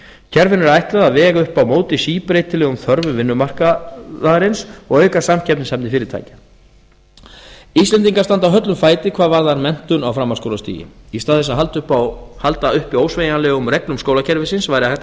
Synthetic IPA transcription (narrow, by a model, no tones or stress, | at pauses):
cʰɛɾvɪnɛɾajht̪laðaðvɛːɣaʏhpawmoːwt̪ɪsiːpɾeːjt̪ɪlɛɣʏmθœɾvʏvɪnːʏmar̥kaðaɾɪnsɔɣœɥkasamcʰɛpnɪnshɛmpnɪfɪːɾɪɾt̪ʰa̰ːjcɪ̥ | ist̪lɛnt̪iŋkaɾst̪ant̪awɦœt̪lʏmfaːjt̪ɪkʰv̥aːðvaɾðaɾmɛn̥t̪ʏnawfɾaːmːaskowlast̪ḭːjɪ̰ist̪aːðɛs̬aɦalt̪ʏhpahalt̪aʏhpiowsveːjanlɛɣʏmɾɛklʏmskoːwlacʰɛɾvɪsɪnsvaːjɾɪaθɛt̪